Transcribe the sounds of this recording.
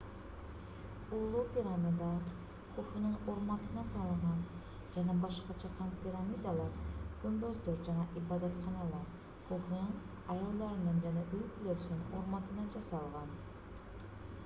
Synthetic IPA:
ulˠupʲiɾamʲid̪ɑ | qʰoχɨnɯŋoɾmɑt̪ʰɯnɑsɑlˠɯɴɑn | d͡ʒanabɑʃqɑt͡ʃʰɑqʰɑnpʲiɾamid̪alˠɑɾkʊnd̪ozd̪oɾd͡ʒanaʔibɑd̪ɑt̪χɑnɑlˠɑɾ | qʰoχnɯŋ | ɑjɑlˠd̪ːɑɾɯnɯnd͡ʒanɑʔɵlkʰyløɾsɪnoɾmɑt̪ɯnɑd͡ʒɑsɑlˠʁɑn

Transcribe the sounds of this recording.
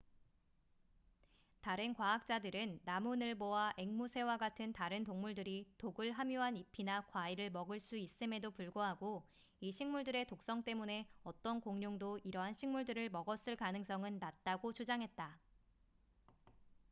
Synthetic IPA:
taɾɯnkwaak̚t͡ɕ͈adɯɾɯnːamunɯɭbowaʔe̞ŋmusʰe̞waɡatʰɯntaɾɯntoŋmuɭdɯɾitoɡɯɭɦamjoɦanipʰinakwaiɾɯɭmʌɡɯɭs͈uis͈ɯme̞dopuɭɡoɦaɡo | iɕʰiŋmuɭdɯɾe̞tok̚s͈ʌŋt͈e̞mune̞ʌt͈ʌnkoŋɲoŋdoiɾʌɦanɕʰiŋmuɭdɯɾɯɭmʌɡʌs͈ɯɭkanɯŋs͈ʌŋɯnːat̚t͈aɡot͡ɕud͡ʑaŋɦe̞t̚t͈a

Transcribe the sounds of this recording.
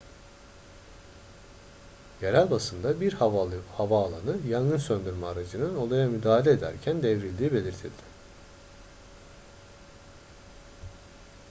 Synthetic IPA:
jeɾælʲbasɯnd̪abiɾhavaːlˠanɯjanɡɯnsønd̪yɾmaːɾad͡ʒɯnɯno̞lˠajamyd̪aːɦalʲeed̪æ̰ɾcʰænd̪evɾilʲd̪iːbe̞lʲiɾt̪ʰilʲd̪̥ɪ

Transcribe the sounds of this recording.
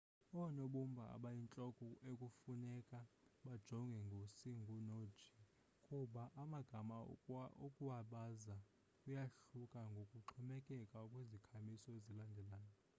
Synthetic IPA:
ɔnoɓumbʱaa̰ɓajint͡ɬʼɔkʼɔʔekʼufunɛkʼaɓad̥ʒ̥ʱɔŋɡʱɛŋɡʱosiŋɡʱunod̥ʒ̥ʱi | kʼuɓaʔamaɡ̥ʱamaokʼuwaɓaza | kʼujaɬukʼaŋɡʱokʼuǁʰumɛkʼɛkʼakʼwezikʰamisɔezilandʱɛlaːjɔ

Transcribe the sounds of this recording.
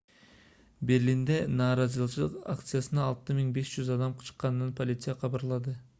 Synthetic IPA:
be̞ɾlʲind̪e̞nɑːɾɑzɯlˠt͡ʃɯlˠɯqa̰kt̪sɨjasɯnɑːlˠt̪ɯmiŋbe̞ʃd͡ʒyzɑd̪ɑmqʰɯ̥t͡ʃɯ̥qːɑnːɯnpʰolʲit̪sɨjɑqʰɑβɑɾlˠɑd̪ɯ

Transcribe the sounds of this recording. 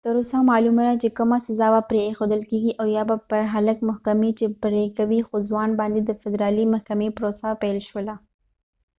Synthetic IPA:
t̪əɾusamɑːlumad̪at͡ʃekəmasɐzabapɾeːxod̪əlkeɡiʔawjabapəɾɦaləkmʊhkɐmet͡ʃepɾekawixozwɑːnbɑ̃nd̪ed̪əfɪd̪ɾɑlimɐhkɐmepɾosapɛlʃwəla

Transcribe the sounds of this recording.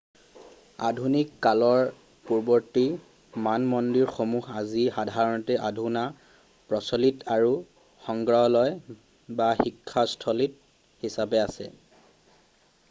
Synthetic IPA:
a̰dʱunikːalɔɹ | puɹbɔɹti | manmɔndiɹxomuɦazixadʱaɹɔnɔtɛʔadʱuna | pɹɔsɔlitʰaɹu | xɔŋɡɹɔɔlɔj | baxikʰːastʰɔlit̚ | hisabɛasɛ̰

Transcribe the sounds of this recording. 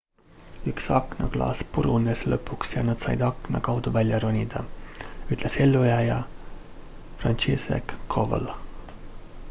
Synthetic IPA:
yksɑkːˑnɑklɑ̰ːspuɾuneslɤ̰pːˑuksjɑnɑd̪̥sɑjd̪̥ɑkːnɑ̰kɑwd̪̥uvælʲjɑɾonʲid̪̥ɑyt̪ːˑle̞se̞lːujæjɑ | frɑnt͡ʃisḛkːʰov̰l

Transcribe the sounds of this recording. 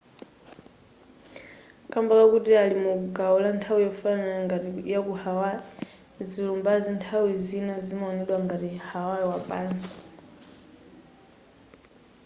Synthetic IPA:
kʼambakakutialimukuɡaulantʰawijaufanaaŋɡajakuhawa | zilumbazintʰawizinazimaɔnɛɗwaŋɡaɾihawaɛwapʼaːnsi̥

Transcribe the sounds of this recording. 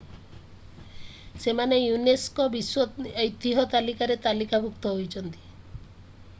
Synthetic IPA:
semanejuneskɔbiswɔejt̪ːiɦɔt̪alikaɾet̪alikabʱukt̪ɔɦojt͡ʃʰɔnt̪i̥

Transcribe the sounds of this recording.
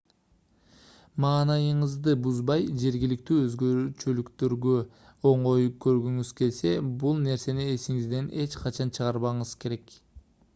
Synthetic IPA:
mɑːnɑjɯɴɯzd̪ɯbuzbɑjd͡ʒe̞ɾɡʲilik̚t̪yːø̞zɡøɾt͡ʃølykt̪øɾɡø | oɴo̞jup̚kø̞ɾɡøŋyz̥ke̞lse̞bulˠne̞ɾse̞niesiŋizd̪e̞ne̞t͡ʃqʰɑt͡ʃɑnt͡ʃʰɯʁɑɾβɑɴɯzke̞ɾe̞k

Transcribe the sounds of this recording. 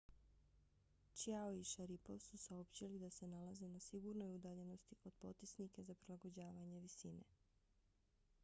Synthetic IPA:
t͡ʃiaoiʃaɾipo̞ʋsusaopt͡ɕilid̪ase̞nalazenasiɡuɾnojud̪aʎe̞no̞st̪iko̞d̪̥po̞t̪isnikezapɾilˠaɡo̞d͡ʑaːʋaɲe̞ʋisinḛ

